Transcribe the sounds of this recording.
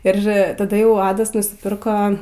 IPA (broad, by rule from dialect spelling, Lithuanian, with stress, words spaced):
ɪr tɐˈdɐ ˈjɛʊ ˈɑːdɐs nʊsʲɪˈpʲɪrkoː